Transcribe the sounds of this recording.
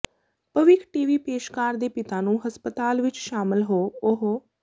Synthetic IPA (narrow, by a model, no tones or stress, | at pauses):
pəʋɪkʰʈiːʋiːpeːʃkaːɾd̪eːpɪt̪ãːnũːɦəspət̪aːlʋɪt͡ʃʃaːmɪlɦoːʊɦo